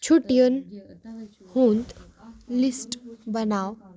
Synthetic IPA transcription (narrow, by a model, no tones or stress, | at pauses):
t͡ɕʰuʈijən | hunt̪ | lisʈbənaw